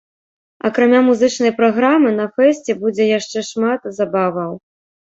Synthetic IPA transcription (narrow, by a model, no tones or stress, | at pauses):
ɐ̰kɾamʲamuzɨt͡ʂnɐjpɾaɣɾamɨn̪ɐfɛsʲt͡sʲɛbud͡zʲɛjaʂt͡ʂɛʂmat̪zabavɐw